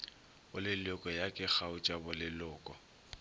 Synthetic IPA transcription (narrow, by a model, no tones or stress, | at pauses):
ʊlɪlʊkʼɔjakʼɪk͡xaʊt͡ʃʼabʊlɪlʊːkʼɔ